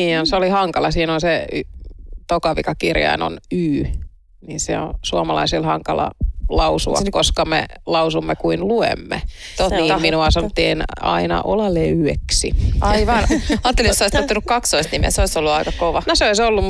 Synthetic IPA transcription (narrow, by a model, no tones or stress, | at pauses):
iːonseolihɑŋkɑlɑsiːnonse | t̪okɑʋikɑkirjɑ̰ino̰nyː | ninsḛo̰suɑmɑlɑ̰isilhɑŋkɑlɑ̰lɑusuɑ̰koskɑmḛlɑusumːekuinluḛmːḛniːminuɑsɑnot̪ːienɑ̰inɑ̰ʔolɑleyeksḭɑiʋɑnɑːt̪ːelijosoist̪ot̪ːunukkɑkst̪oist̪nimḛseoisolːuɑikɑkoʋɑnoseoisolːum